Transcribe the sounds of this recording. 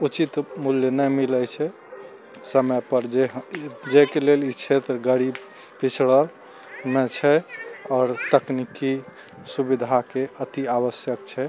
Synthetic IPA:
ut͡ʃit̪muljənɛjmiləjt͡ʃʰɛ | səməpəɾd͡ʒeɦd͡ʒekelelit͡ʃʰet̪ɾəɡəɾib | pit͡ʃʰɽəl | met͡ʃʰɛɔːɾt̪əkniki | subid̪ʱakeət̪iaβəsjəkt͡ʃʰɛ

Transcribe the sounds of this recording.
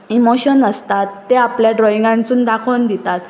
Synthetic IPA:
imoɕənəst̪at̪ːeapljaɖɾɔiŋɡãnt͡suːnd̪akʰənd̪it̪at̪

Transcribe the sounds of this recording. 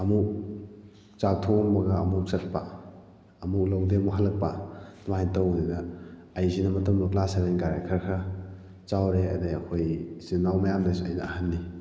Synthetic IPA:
ɐmuk̚ | t͡ʃap̚tʰombɐɡɐːmuksɐt̚pa | ɐmuk̚lɐwdemuɦalːɐk̚panumajntɐwninɐːjzinɐmɐtɐmloklaseɾenɡaɾekʰɐɾkʰɐ | t͡ʃawɾeɐ̰deɐkʰojzinawmɐjamdasɐjnɐːhanːi

